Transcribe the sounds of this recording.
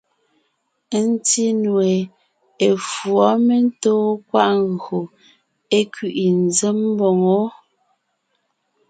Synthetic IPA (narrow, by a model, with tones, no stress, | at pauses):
n˦ti˦nwe˨ | e˨fwɔ˨˦me˦n̩˦toː˦kwa˦ʔŋ˦ɣo˨ | e˦kɥi˨ʔi˨n̩˨ze˦m˦bɔ˨ŋo˦